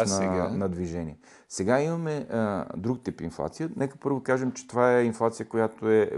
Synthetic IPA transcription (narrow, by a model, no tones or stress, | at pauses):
nɛɡanɐd̪viʒɛniɛ | sɛɡaimɐmɛd̪ɾukt̪ipḭnflˠa̰t̪sijənɛkə̥pɤɾvokaʒɛmt͡ʃɛ̥t̪ovaɛinflˠat̪sijəkojat̪oɛ